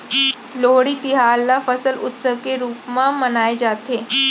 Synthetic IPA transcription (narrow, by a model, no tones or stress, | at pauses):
loɦɽiːt̪iɦalːafəsəlut̪səʋkeɾuːpmamənajed͡zat̪e